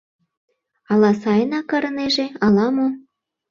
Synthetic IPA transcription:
ɑlɑsɑjnɑkɑɾɤneʒeɑlɑmo

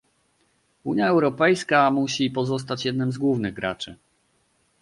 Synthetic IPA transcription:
uɲjaɛwɾɔpɛjskamuɕipɔzɔs̬t̪at͡ɕjɛd̪̚nɘmzɡwuvnɘɣɡɾa̰t͡ʂɘ

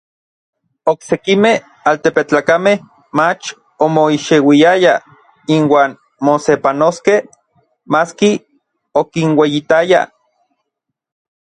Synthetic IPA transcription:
oksekimeh | aːlt̪epet͡ɬakameh | mat͡ʃ | omoiʃewijaja | inwaːn | mosepanoskeh | maski | okinwejit̪aja̰

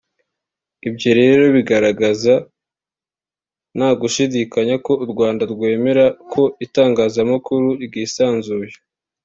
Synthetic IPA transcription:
ibjo̞ɾe̞ːɾo̞βiɡaɾaɡaza | naːɡuʃidikaɲako̞uɾɡwaːndaɾɡwe̞ːme̞ɾakʰo̞itaːŋɡaːzamakuɾuiɡiːsaːnzuːje

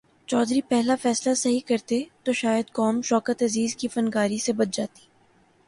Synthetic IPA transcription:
t͡ʃɔːd̪ɾipɛɦlafɛːslasɐɦikɐɾt̪et̪oʃaːjəd̪kɔːmʃɔːkət̪ɐziːzkifɐnkaːɾisebɐt̪̚d͡ʒaːt̪i̥ː

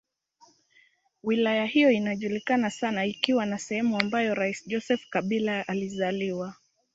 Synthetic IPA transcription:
wilajahijɔinaʄulikanasanaikiwanasɛhɛmuambajɔɾaisʄɔsɛfkaɓilaʔalizaliwa

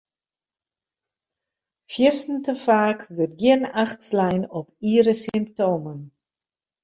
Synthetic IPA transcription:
fjɪsn̩təfaːkʋət̚ɡjɪənaxtslɛjnɔpiːɾəsimp̚toːmən

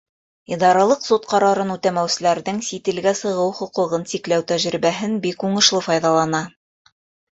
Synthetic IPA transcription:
id̪ɑɾɑlˠɤqsot̪̚qɑɾɑɾɤnut̪æmæwsɘ̆læɾðɘŋsit̪ɘ̆lɡæsɤ̆ʁɤwχŏqɤ̆ʁɤnsiklæwt̪æʒɾibæɦɘnbikuɴɤ̆ʃlˠɤfɑjðɑlˠɑnɑ

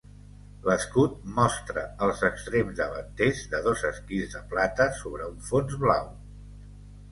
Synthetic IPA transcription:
ləskut̪̚mɔst̪ɾəːlˠzəkst̪ɾemzðəβə̰nt̪ezðəðozəskizðəplat̪əsoβ̞ɾəuɱfonzβlaw

